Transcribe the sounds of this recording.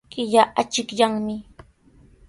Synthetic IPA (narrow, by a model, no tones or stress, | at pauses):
kɪʎaʔat͡ʃɪkʎaŋmɪ